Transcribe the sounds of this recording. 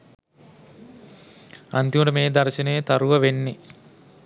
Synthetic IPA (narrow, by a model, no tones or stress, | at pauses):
ɐ̰nt̪imɐɽɐmeːd̪ɐɾɐʃɐneːt̪ɐɾuʋɐʋeɳːi